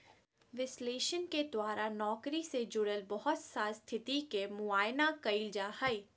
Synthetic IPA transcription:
ʋɪsleːʃənked̪waːɾanɔːkɾised͡ʒʊɽəlbɔɦʊt̪saːst̪ʰɪt̪ikemʊaːjnakɐild͡ʒaːhɐiː

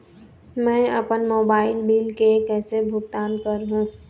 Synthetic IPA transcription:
mɛ̃ːɐpənmoːbaːɪlbiːlkekɛːsebʱʊɡ̚t̪aːnkəɾɦũː

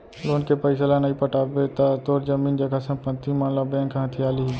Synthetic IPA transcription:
loːnkepəɪslanɐɦĩpəʈaːbet̪at̪oːɾd͡ʒəmiːnd͡ʒəɡasɐ̃mpət̪ːimanlabɛ̃ːŋkɦãt̪ʰiaːliɦi

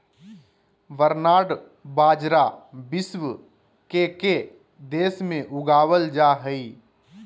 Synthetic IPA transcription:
ʋəɾnaːɽ | baːd͡ʒɾabɪsw | keke | d̪eːsmẽʔʊɡaːwəld͡ʒaɦəi

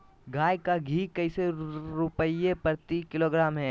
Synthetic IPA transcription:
ɡʱaːjkaɡʱiːkɐɪseɾʊpəiepəɾt̪ikɪloːɡɾaːmɦɛː

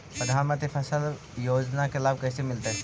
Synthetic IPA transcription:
pɾəd̪ʱaːnmə̃t̪ɾipʰɐsəl | joːd͡ʒnakelaːb̚kɐsemɪlt̪eɦɛ

